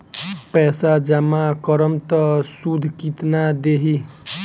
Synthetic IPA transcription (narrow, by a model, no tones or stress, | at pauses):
pɛːsad͡ʒəmakəɾəmt̪əsud̪ʱkit̪nad̪eːɦi